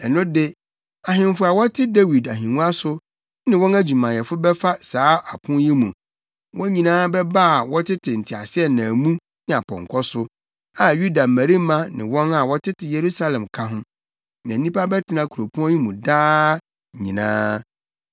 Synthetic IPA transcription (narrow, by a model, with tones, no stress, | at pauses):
ɛ˨nʊ̃˦dɪ˦ | a˨ɦɪ̃˨mfʊ˨˦a˨wɔ˦tʰɪ˦de˦wi˨da˨ɦĩ˨nũ˦a˦sʊ˦ | nɪ̃˨wɔ̃˦næ˦d͡ʑᶣu˨mã˨jɛ˨fʊ˦bɛ˦fa˦saː˨˦a˨pʰʊ̃˦ji˦mũ˨ | wʔɔ̃˦ɲĩ˨nãː˦bɛ˦ba˦˨wɔ˦tʰɪ˦tʰɪ˨n̩˨tʰɪ˨a˨sɪ˦ɛ˦nã˨mũ˦ | nɪ̃˨a˨pʰɔ̰̃˨ŋkʰɔ˦sʊ˦ | a˨ju˦da˨mæ˨ɾi˦mã˦nɪ̃˨wɔ̃˦na˨wɔ˦tʰɪ˦tʰɪ˨je˨ɾu˦sa˦lɛ̃˨mkʰã˦ɦʊ̃˦ | nã˨˦nĩ˦pa˦bɛ˦tʰɪ˨nã˦kʰu˨ɾo˨pʰu˦ɔ̃˦ji˦mũ˨daː˦˨ | ɲḭ̃˨nã̰ː˦